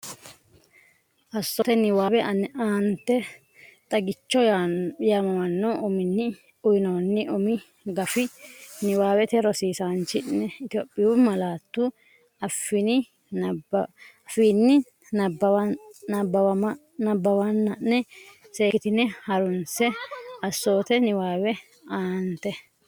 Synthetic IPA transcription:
ʔɐsːɔt̪ɛnɪwaːbɛɐnaːnt̪ːɛ | t̪ʼɐɡɪt͡ʃːɔjamɐwɐnːɔʊmɪnːɪ | ʊjɪnoːnːɪʔʊmɪ | ɡɐfɪnɪwaːwɛt̪ɛɾɔsiːsant͡ʃːɪnːɛɪt̪ɪjopʼːɪjuːmɐlaːt̪ːu | ɐfːɪnɪ | fiːnːɪ | nɐbɐɐbːɐ | nɐbːɐwɐnːɐnːɛ | seːkɪt̪ɪnɛhɐɾʊnsɛɐsːo̞ːt̪ɛnɪwaːwɛ | aːnt̪ɛ

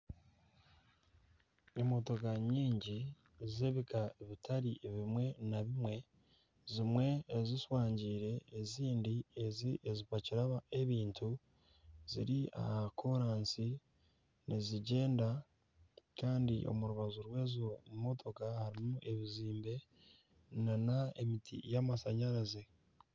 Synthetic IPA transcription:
imo̞to̞kaɲiːɲɟi | zeβikaeβitʰaɾiʔβimwe̞naβimwe̞ | zimwe̞ːziswaːɲɟiːɾe̞ːziːndieziʔezipaciɾaβae̞βiːntʰu | z̥iɾia̰hakʰo̞ɾaːnsi | niziɟe̞ːnda | kaːndḭʔo̞̰muɾuβazuɾwe̞ːzomo̞tʰo̞kahaɾimuʔe̞βiziːmbe̞ | nanaemitʰḭjamasaɲaɾaze

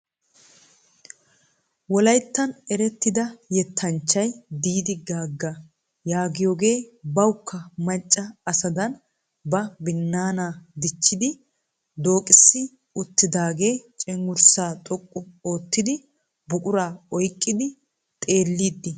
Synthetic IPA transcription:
wɔlɐjt̪ːɐnɛɾɛt̪ːɪd̪ɐjɛt̪ʰːɐnt͡ʃːɐjd̪iːd̪ɪɡaːɡːɐ | jaːɡɪjoːɡe̞ːbɐwʊkːɐmɐt͡ʃʼːɐɐsɐd̪ɐn | bɐbɪnːaːnaːd̪ɪt͡ʃːɪd̪ɪ | d̪o̞ːkʼɪsːɪ | ʊt̪ːɪd̪aːɡe̞ːt͡ʃʼɛŋɡʊɾsaːt̪ʼɔkʼːɔoːt̪ːɪd̪ɪ | bʊkʼʊɾaːɔjkʼːɪd̪ɪ | t̪ʼe̞ːlːiːd̪ːɪ

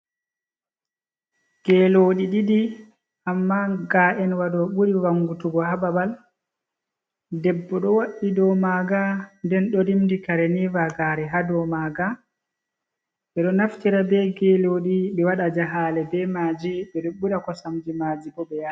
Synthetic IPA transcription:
ɡ̥ɛloːɗiɗidi | amːaɡaʔɛnwaɗɔɓuɾiwaŋɡutuɡɔhababal | dɛbːɔɗɔwaɗːidɔmaɡandɛnɗɔɾimdikaɾɛnivaɡaːɾɛɦadɔmaɡa | ɓɛɗɔnaftiɾabɛɡɛloːɗiɓɛwaɗad͡ʒaɦaːlɛbɛmaːd͡ʒiɓɛɗuɓːuɗakɔsamd͡ʒimaːd͡ʒibɔɓɛja

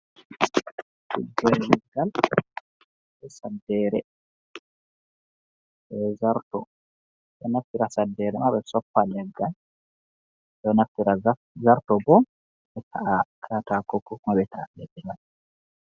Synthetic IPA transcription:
kṵd͡ʒɛɾlɛɡːal | bɛsadːɛːɾɛ | ʔɛzaɾtɔ | ɗɔnaftːiɾasadːɛɾɛmaɓɛsɔpːalɛɡːal | ɗɔnaftːiɾa | zaɾtɔbɔ | ɓɛtʰaʔakʰatakɔkːɔkmaɓɛtʰaalɛɗːɛɡal

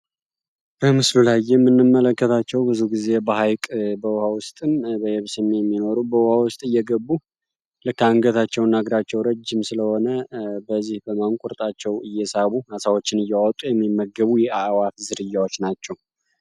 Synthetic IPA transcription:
b̥əmɨslulajːɛmːɨnːɨmːələkːət̪ʰat͡ʃːɛwbɨzuɡize̞bəɦajkʼbəwhawʊst̪ʼɨnbəjɛβsɨmːijɛmːino̞ɾubəwhawʊst̪ʼɨjːɛɡəbːu | lɨkːaŋɡət̪ʰat͡ʃːɛwnːaɡɾat͡ʃːɛwɾəd͡ʒːɪmsɨləho̞nəbəzːihbəmaŋkʷʼʊɾt̪ʼat͡ʃːɛwɨjːɛsaβuhasawo̞t͡ʃːɪnɨjːawɔt̪ʼujɛmːimːəɡːəβujɛawat̪zɨɾɨjːawo̞t͡ʃːnat͡ʃːɛw

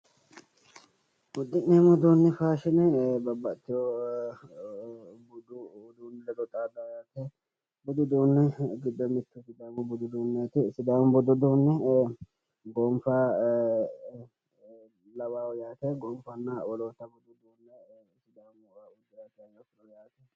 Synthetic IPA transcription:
ʊd̪ːɪnneːmʊd̪uːnːɛfaːʃɪnɛbɐbːɐt̪ːɪjo | bʊd̪ʊd̪uːnɪlɛd̪ɔt̪ʼaːd̪ɐjaːt̪ɛ | bʊd̪ʊd̪uːnːɛɡɪd̪ːɔmɪt̪ːʊsɪd̪aːmʊbʊd̪ʊd̪uːnːat̪ɪsɪd̪aːmʊbʊd̪ʊd̪uːnːɛ | ɡomfa | lɐwaːwjaːt̪ɛɡoːmfɐnːɐwɔloːt̪ːɐbʊd̪ʊd̪uːnːɛ | sɪd̪aːmʊʊd͡ʒɪɾat̪anɔfɪnɔjaːt̪ɛ

